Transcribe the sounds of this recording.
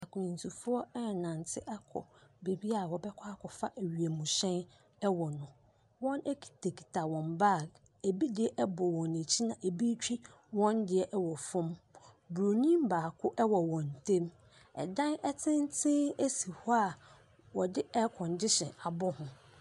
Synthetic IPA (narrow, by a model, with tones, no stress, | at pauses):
ɛ˨kʰʊ˨nĩ˨n˨tʰu˨fʊ˦ɔ˦ɛ˦˨nã˨n˨tʰɪ˦ʔɛ˦kʰɔ̰˨be˨bi˦a˨wɔ˨bɛ˦kʰɔ˦a˦kʰɔ˨fa˦ʔæ˨ɥi˨e˨mũ˨ɕɛ̃˦n | ɛ˦wɔ˨nʊ̃˦ | wɔ̃˦nɛ˦kʰi̥˨tʰe˨kʰi̥˨tʰa˨wɔ̃˨mba˦˨ | e˨bi˦dɪ˨ɛ˦ʔɛ˦bɔ˨wɔ̃˨ne˨t͡ɕʰi˦nã˨ʔe˨bi˦t͡ɕᶣi˦ | wɔ̃˦ndɪ˦ɛ˦ʔɛ˦wɔ˨fʊ̃˦m | bu˨ɾo˨nĩ˦m˦baː˨kʰʊ˦ʔɛ˦wɔ˨wɔ̃˨n˨tʰẽ˦m | ɛ̰˨dã˦nɛ˦tʰɪ̃˦n˦tʰɪ̃˦e˦si˨hɔ˦a˨ | wɔ˨dɪ˦ʔɛ˦kʰɔ̃˨n˨dɪ˦ɕɛ̰̃˨a˨bɔ˦hʊ̃˨